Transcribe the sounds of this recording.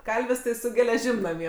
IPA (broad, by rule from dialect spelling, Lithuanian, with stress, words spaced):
ˈkɐlʲʋʲɪs tɐɪ sʊ ɡʲɛlʲɛˈʒʲɪm nɐˈmʲiɛ